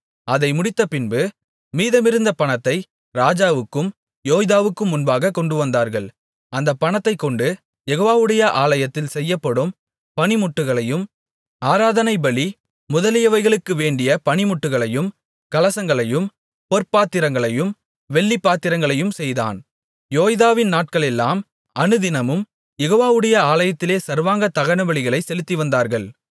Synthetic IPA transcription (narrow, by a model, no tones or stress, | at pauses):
ɐðɐɪmʊɽɪt̪ːɐpɪnbɯ | miːðɐmɪɾɯnd̪ɐpɐɳɐt̪ːɐɪ | ɾaːd͡ʒaːʋɯkːɯm | joːjðaːʋɯkːɯmʊnbaːɣɐkːɔɳɖɯʋɐnd̪aːɾɣɐɭ | ɐnd̪ɐpːɐɳɐt̪ːɐɪkːɔɳɖɯ | jɛɣoːʋaːʋɯɽɐjɐʔaːlɐjɐt̪ːɪlsɛjːɐpːɐɽɯm | pɐɳɪmʊʈːɯɣɐɭɐjɯm | aːɾaːðɐnɐɪbɐɭi | mʊðɐlɪjɐʋɐɪɣɐɭɯkːɯʋeːɳɖɪjɐpɐɳɪmʊʈːɯɣɐɭɐjɯm | kɐlɐsɐŋɡɐɭɐjɯm | pɔrpaːt̪ːɪɾɐŋɡɐɭɐjɯm | ʋɛɭːipːaːt̪ːɪɾɐŋɡɐɭɐjɯmsɛjða̰ːn | joːjðaːʋɪnnaːʈ̚kɐɭɛlːaːm | ɐnɯðɪnɐmɯm | jɛɣoːʋaːʋɯɽɐjɐaːlɐjɐt̪ːɪleːsɐɾʋaːŋɡɐt̪ɐɣɐnɐbɐɭɪɣɐɭɐɪsɛlɯt̪ːiʋɐnd̪aːɾɣɐɭ